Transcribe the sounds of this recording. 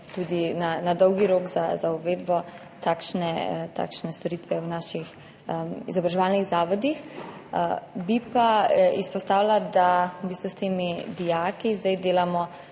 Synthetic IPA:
t̪uːd̪inanad̪ɔwɡiɾoːkzazaɔʋeːd̪bɔ | t̪aːkʃnɛt̪a̰kʃnɛst̪ɔɾit̪ʋɛwnaːʃix | ḭzɔbɾaʒɛʋalniɣzaːʋɔd̪ix | bipaispɔst̪aːwlad̪abiːst̪ʋust̪eːmid̪ijakizd̪ajd̪eːlamɔ

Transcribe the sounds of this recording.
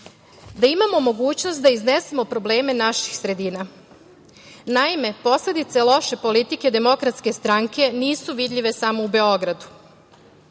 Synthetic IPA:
d̪aimamomo̞ɡuːt͡ɕnost̪d̪aiznesemo̞pɾo̞ble̞ːme̞naʃi̥xsɾe̞d̪iːna | naime̞po̞sle̞d̪it̪selˠo̞ʃe̞po̞lit̪ike̞d̪e̞mo̞kɾat̪ske̞st̪ɾaŋke̞niːsuʋid̪ʎʲiʋe̞samo̞ube̞o̞ɡɾad̪u̥

